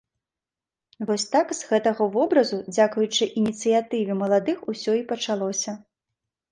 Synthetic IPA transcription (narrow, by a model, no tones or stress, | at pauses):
vɔsʲt̪akz̥ɣɛt̪ɐɣɐvɔbɾɐzud͡zʲakujut͡ʂɨʔinʲit̪sɨjat̪ɨvʲimɐlˠad̪ɨxusʲɔipɐt͡ʂalˠɔsʲɐ